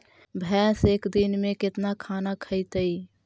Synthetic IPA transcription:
bʱɛːseːkd̪inmẽkɪt̪nakʰaːnakʰəɪt̪əi

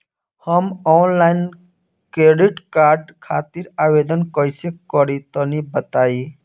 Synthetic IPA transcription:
həmɔːnlaːɪn | kɾeːɖiʈkaːɾɖkʰaːt̪iɾaːʋeːd̪ənkɔisekɔɾit̪ɔnibət̪aːi

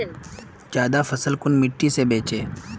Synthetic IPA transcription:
d͡ʒjaːd̪afʰɐsəlkʊnmɪʈːisebeːt͡ʃeː

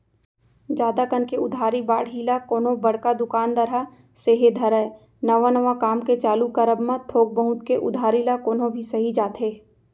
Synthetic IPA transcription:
d͡ʒaːd̪akənkeʊd̪ʱaːɾiba̰ːɽɦilakoːnõbɐɽ̤kad̪ʊkaːnd̪ɐɾa | seːɦed̪ʱɐɾɛː | nɐʋanɐʋakaːmket͡ʃaːlukəɾəbmãt̪ʰoːɡ̚bə̃ɦʊ̃t̪keʔʊ̰d̪ʱaːɾilakoːnõbʱisɐɦid͡ʒaːt̪ɦeː

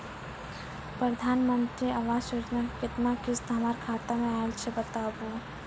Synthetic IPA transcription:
pɾəd̪ʱaːnmə̃nt̪ɾiaʋaːsuːd͡ʒnakɪt̪nakɪst̪ɦɐmaːɾkʰaːt̪amẽaːelt͡ʃʰebət̪aːboː

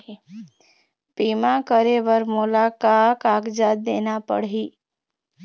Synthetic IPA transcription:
piːmãkəɾeʋəɾmʊlakakaːkd͡ʒaːd̪̚d̪eːnapə̰ɽɦiː

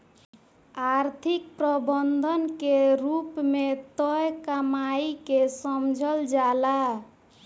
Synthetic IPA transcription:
aɾt̪ʰik̚pɾəbənd̪ʱənkeɾupmet̪əjkəmaikesəmd͡ʒʱəld͡ʒala

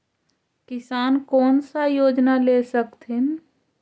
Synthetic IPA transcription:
kɪsaːnkɔːnsajoːd͡ʒnalesəkt̪ʰɪn

